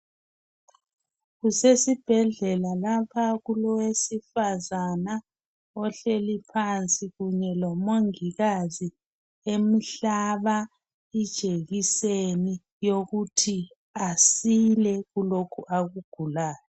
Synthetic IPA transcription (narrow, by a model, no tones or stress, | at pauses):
ɣusesib̥ʱɛɮɛlalapʰaɣulɔwesifazana | ɔɬelipʰant͡sʼiɣuɲɛlɔmoŋiɣazi | emiɬaβa | id̥ʒ̥ʱeɣiseni | joɣutʰi | asilɛɣulokʰuʔaɣuɡ̥ʱulaːjɔ